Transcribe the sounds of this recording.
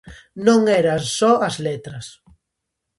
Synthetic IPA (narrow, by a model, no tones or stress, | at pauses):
nõŋɛɾɐsɔɐzlet̪ɾɐs